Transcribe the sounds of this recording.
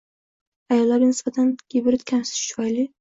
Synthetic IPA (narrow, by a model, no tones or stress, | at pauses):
ajɒlːaɾɡʲnɪsbat̪ʰanɡʲibɪɾɪt̪kʲʰansɪ̥t͡ʃʰʊajlɪ